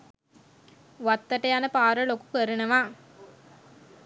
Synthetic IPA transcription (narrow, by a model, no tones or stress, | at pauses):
ʋat̪ːəʈəjanəpaːɾəloku̥kəɾənəʋaː